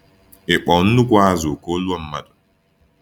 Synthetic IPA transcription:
ɛ˨ɓɔ˨wn˦du˦kwaː˦zɔ˨kɔː˦lu˦a˦mːa˨dɔ̥

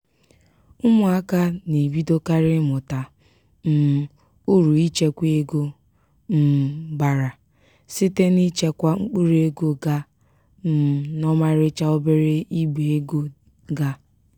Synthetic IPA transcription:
ʊ˦mʊ˨˦a˦ka˦ni˨bi˦do˦ka˦ɾɪ˦mʊ˨ta˨ | m̩˨ | u˦ɾu˨i˦t͡ʃe˦kʷe˦ɡo˦ | m̩˦ɡ͡ba˨ɾa˨ | si˦te˦ni˦t͡ʃe˦kʷa˦ŋ͡m̩˦k͡pu˦ɾe˦ɡo˦ɡa˦ | m̩˨nɔ˦ma˦ɾɪ˦t͡ʃa˦o˦be˦ɾe˦i˦ɡ͡be˨e˦ɡo˦ | ɡa˦

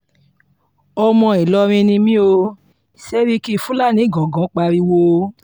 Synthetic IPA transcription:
ɔ˧mɔ̃˧i˨lɔ˧˦ɾ̃ĩ˧nĩ˧mĩ˦o˧ | sɛ˦ɾi˦ki˦˨fũ˨˦la˦˨nĩ˨˦˨ɡɔ̃˨ɡã˨˦k͡pa˧ɾi˧wo˧

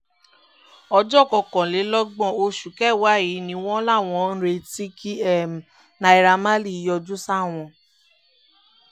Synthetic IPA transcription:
ɔ˧d͡ʒɔ˦˨kɔ˧˨kɔ̃˨le˨˦lɔ˦ɡ͡bɔ̃˦˨o˧ʃu˨kɛ˦˨wa˨˦˨ji˨˦nĩ˧w̃ɔ̃˦la˦˨w̃ɔ̃˧n̩˦ɾe˧ti˦kʰi˦ɛ˦˨m˨ | na˧˨i˨ɾa˧ma˦li˦˨˦jɔ˧d͡ʒu˦sa˦˨w̃ɔ̃˧

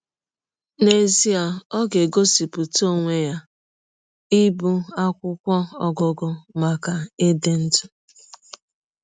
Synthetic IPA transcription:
ne˨zi˦a˨ɔ˦ɡe˨ɡo˦si˨pu˨to˦˨ŋʷe˦ja˦ | i˦bu˦a˦kʷʊ˦kʷɔ˦ɔ˦ɡɔ˨ɡɔ˦ma˨ka˨e˦de˦n̩˦tʊ˦

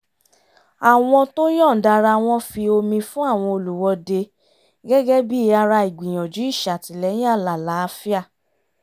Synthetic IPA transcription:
a˨w̃ɔ̃˧to˦j̃ɔ̃˦˨da˧ɾa˧w̃ɔ̃˦fi˧o˧mĩ˧fũ˦a˦˨w̃ɔ̃˧o˧lu˨wɔ˧de˧ | ɡɛ˦ɡɛ˦bi˦˧a˧ɾa˧i˨ɡ͡bĩ˨j̃ɔ̃˨d͡ʒu˨˦i˦˨ʃa˨ti˨lɛ˨˦j̃ĩ˦a˦˨la˨la˨˦fi˦a˦˨

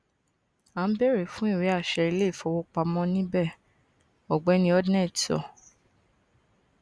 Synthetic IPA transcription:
a˨n̩˦bɛ˦ɾe˦˨fũ˦i˦˨ɾe˨˦a˦˨ʃɛ˧i˧le˦˨fɔ˧˦wo˦k͡pa˧mɔ̃˦nĩ˦bɛ˦˨ | ɔ˨ɡ͡bɛ˨˦nĩ˧˦ɔ˦dnɛ̃˦˨ti˨ɔ̰˨

